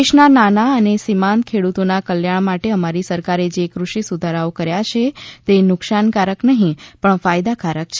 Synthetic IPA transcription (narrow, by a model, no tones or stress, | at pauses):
eʃnananaənesimãnt̪̚kʰeɽut̪onakəljaɳmaʈeəmaɾisəɾkaɾed͡ʒekɾuʃisud̪ʱaɾaokəɾjat͡ʃʰet̪enʊkʃankaɾəknəɦĩpəɳfajd̪akaɾək̚t͡ʃʰe